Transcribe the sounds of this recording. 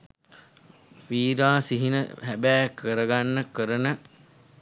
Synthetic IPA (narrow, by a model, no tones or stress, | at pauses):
ʋiːɾaːsiɦinə̰hæbæːkʰəɾəɡanːəkəɾənə